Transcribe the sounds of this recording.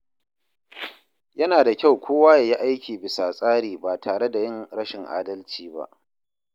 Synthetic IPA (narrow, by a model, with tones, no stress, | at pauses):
jɐ˦naː˨da˨kʲa˦˨wkʷoː˦waː˦ja˨ji˦ʔa˦jkʲiː˨bɪ˨sa˨sʼaː˦ɽiː˨baː˨tʰaː˨ɽe˦da˨jɪ˦ŋɽɐ˦ʃɪ˨ŋʔa̰ː˦dɐ˦lt͡ʃiː˦ba̰˦ʔ